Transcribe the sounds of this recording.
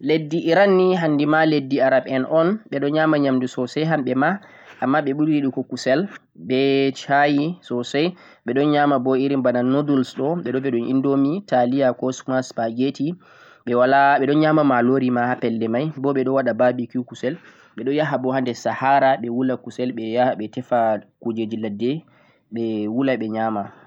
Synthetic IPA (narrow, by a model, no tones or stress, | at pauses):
ledːiʔːɾanːiɦandimaledːiaɾaɓɛnʔɔnɓɛɗɔɲamaɲamdusɔsɛjɦamɓɛma | ʔamːaɓɛɓudɾiɗikɔkusɛl | bɛt͡ʃajisɔsaj | ɓɛɗɔnɲamabɔiɾimbananodulsɗɔɓɛɗɔvɛɗɔnʔḭndomitalijakɔsmaspaɡeti | ɓɛwalaɓɛɗɔnɲamamaloɾimahapɛlːɛmajbɔɓɛɗɔwaɗababikikusɛl | ɓɛɗɔnjaɦabɔhandɛsahaɾaɓɛwulakusɛlɓɛjaɓɛtɛfakud͡ʒed͡ʒiladːɛ | ɓɛwulaɓɛɲama